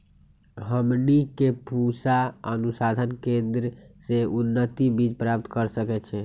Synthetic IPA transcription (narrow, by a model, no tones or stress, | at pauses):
ɦəmnikepusaənusad̪ʱənkend̪ɾəseunːət̪ibid͡ʒpɾap̚t̪kəɾsəkɛt͡ʃʰɛ